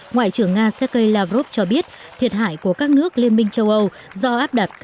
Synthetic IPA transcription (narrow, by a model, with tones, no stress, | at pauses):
ŋwa̰ː˧˨jt͡ɕɨ˧˩əŋːaː˧sɛ˦˥t̚kə˧jlaː˧fɾo˦˥p̚t͡ɕɔ˧ɓi˦˥ət̚t̪ʰi˨˩ət̚ɦa̰ː˧˨jku˧˩əkaː˦˥k̚nɨ˦˥ək̚li˧ənmï˧ŋ̟t͡ɕə˧wʔə˧w | zɔ˧ʔaː˦˥p̚ɗa˨˩t̚k